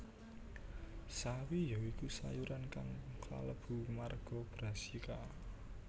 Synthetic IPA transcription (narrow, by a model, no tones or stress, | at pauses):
sawijaikusajuɾʔanka̰ŋkla̰ləb̥ṳmarɡ̥ɔ̤b̥ɾa̤sika